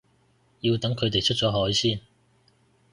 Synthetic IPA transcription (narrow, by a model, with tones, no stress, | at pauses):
jiː˧wt̪ɐ˨˥ŋkʰɵ˨˧ɥt̪e˨jt͡ʃʰt̚t͡sɔː˨˥ɦɔː˨˥jsiː˥n